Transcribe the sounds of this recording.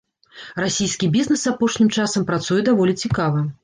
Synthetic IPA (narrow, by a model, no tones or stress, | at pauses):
rasʲijskʲibʲiznɛsapɔʂnʲimt͡ʂasɐmpɾat̪sujɛd̪avɔlʲit͡sʲikavɐ